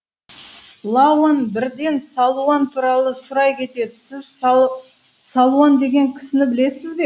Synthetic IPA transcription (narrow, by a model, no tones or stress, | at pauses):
lˠawonbɪɾd̪e̞nsɑlˠuant̪ʰuɾɑlˠəsʊɾɑjkʲʰe̞t̪e̞d̪ɪsɪz | salˠuand̪e̞ɡʲe̞ŋkʲʰɪ̥sɪnɪbɪle̞sɪzbe̞